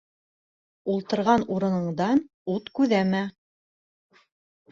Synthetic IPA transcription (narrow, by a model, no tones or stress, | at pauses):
ulˠt̪ɤ̆ɾʁɑnuɾɤ̆nɤ̆ɴd̪ɑn | ut̪kʉðæmæ